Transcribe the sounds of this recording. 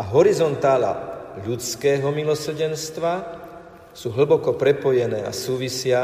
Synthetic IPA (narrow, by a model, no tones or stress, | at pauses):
aɦɔɾizɔnt̪aːla̰ʎut͡skɛːɦɔmilɔsr̩ɟɛnst̪ʋa | suːɦɭ̩bɔkɔpɾɛpɔjɛnɛːa̰suːʋisɪa